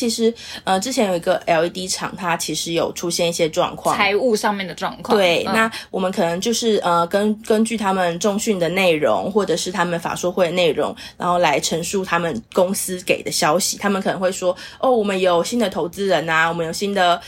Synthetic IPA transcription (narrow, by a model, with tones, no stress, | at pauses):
t͡ɕʰi˧˥ʂɻ̩˧˥ə˧ʈ͡ʂɻ̩˥t͡ɕʰjɛ˧˥njo˨˩ʊi˧˥ɡə˧ʔɛ˧˩ʊ˥t̪i˥ʈ͡ʂʰɑ̰˨˩ŋt̪ʰa˥t͡ɕʰi˧˥ʂɻ̩˧˥˦jo˨˩ʊʈ͡ʂʰu˥ɕjɛ˥˧ni˥˩ɕjɛ˥ʈ͡ʂwɑ̰˥˧ŋkʰwɑ̰˥˨a˧˥ɪu˥˧ʂɑ˥˧ŋmjndə˩ʈ͡ʂwɑ̰˥˧ŋkʰwt̪wwe˥˩ɪna˥˩wɔ˨˩mə˨˦nkʰɤ˨˩nə˧˦ŋt͡ɕjo˥˧ʊʂɻ̩˥˩ʔə˧kə˦nkə˦nt͡ɕy˥˩t̪ʰa˥mə˨nʈ͡ʂo˥˧ŋɕy˥˩nd̪ə˩ne˥˩ɪɻo̰˧˥ŋxwɔ˥˩ʈ͡ʂɤ˨˩ʂɻ̩˥˩t̪ʰa˥mə˨nfa̰˨˩ʂwɔ˥xwe˥˩ɪə˧ne˥˩ɪɻʊ̰˧˥ŋɻa˧˥nxo˥˩ʊla˧˥ɪʈ͡ʂʰə˧˥ŋʂu˥˩t̪ʰa˥mə˨nkʊ˥ŋsɹ̩˥ke˨˩ɪd̪ə˦ɕjɑ˥ʊɕi˨˩t̪ʰa˥mə˨nkʰɤ˨˩ə˧˦ŋxwe˥˩ɪʂwɔ˥ɔ˥˩wɔ˨˩mə˦njo˨˩ʊɕi˥nd̪ə˨t̪ʰo˧˥ʊt͡sɹ̩˥ɻə˧˦˥na˧wɔ˨˩mə˦jo˨˩ʊɕi˦˥nd̪ə˨